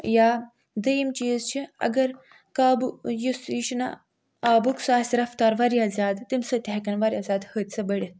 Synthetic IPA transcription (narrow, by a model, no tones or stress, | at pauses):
jaː | d̪ɐjimt͡ʃiːzt͡ʃʰiɐ̰ɡɐɾ | kaːbujusjiʃna̰ | aːbuksaːsʲɾɐft̪aːɾʋaɾiazʲaːd̪t̪imsɐt̪ʲakɐnʋaɾʲjazʲaːd̪hət̪sɐbɐɽʲi